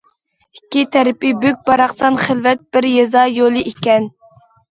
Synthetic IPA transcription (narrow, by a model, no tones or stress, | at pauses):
ikʲːit̪ʰɛɾɪpɪbøk̚ʲbɑɾɑχsɑnχɪlvɛt̪̚b̥ɪɾjɛzɑjolˠɨʔikʲɛn